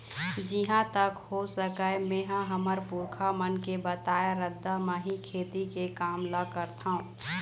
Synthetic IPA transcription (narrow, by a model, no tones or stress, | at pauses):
d͡ʒiɦãt̪əkhosəkəemẽːɦãɦəməɾpuɾkʰamənkebət̪aːjaɾəd̪ʱːamə̃ɦikʰeːt̪ikekaːmləkəɾt̪ʰaũː